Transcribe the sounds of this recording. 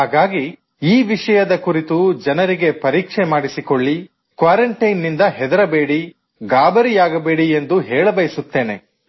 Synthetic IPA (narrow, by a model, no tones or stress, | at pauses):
ɦaːɡaːɡi | iːʋiʂɐjɐd̪ɐkuɾit̪ud͡ʒɐnɐɾiɡe̞pɐɾiːkʂemaːɽisiko̞ɭːi | kʋaːɾɐɳʈɐjnːind̪ɐɦɛd̪ɐɾɐbeːɽi | ɡaːbɐɾijaːɡɐbeːɽiend̪uɦɛːɭɐbɐjisut̪ːe̞ːne̞